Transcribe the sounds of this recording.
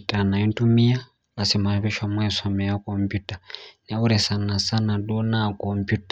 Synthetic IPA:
tanaintumia | lasimaβɛʃamwaisɔmɛakɔmpjutanauɾɛsanasanaɗunakɔmpjutḁ

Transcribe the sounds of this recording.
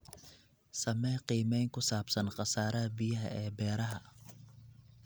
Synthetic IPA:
sɐmɛːqiːmɛjŋkʰʊsaːbsɐnqɑsaːɾɐɐbijɐɦɐ̰ɛːbɛːɾɐɦɐ

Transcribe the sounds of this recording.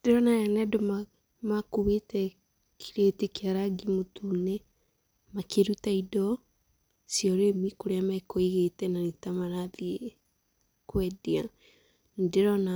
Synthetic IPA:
d̥eɾɔnajanɛdoma | makuβetɛ | kʰi̥ɾetekeaɾaɡimotune | makeɾutaidɔ | sjɔɾemikoɾeamaekoiɣetɛnanitamaɾaðie | kwɛdia | ndeɾɔna

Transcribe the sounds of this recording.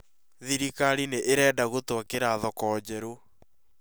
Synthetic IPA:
ðiɾikaɾineʔeɾɛːdaɣotwakeɾaðɔkɔːd͡ʑɛɾo

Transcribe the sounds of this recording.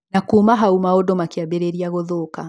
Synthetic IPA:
nakumaɦaumaodomakeabeɾeɾiaɣoðoka

